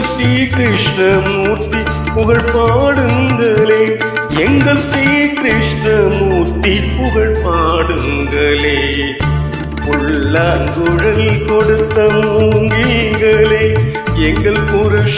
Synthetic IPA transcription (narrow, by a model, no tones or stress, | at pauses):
sɾiːkɾɪʂnɐmuːt̪ːi | pʊɣɐɭpaːɽɯŋɡɐleː | ɛŋɡɐɭsɾiːkɾɪʂɳɐmuːt̪ːipʊɣɐɭpaːɽɯŋɡɐle | uɻːaɡuɻɐlkoɽɯt̪ːɐmuːŋɡiŋɡɐleː | ɛŋɡɐɭpʊɾuʂ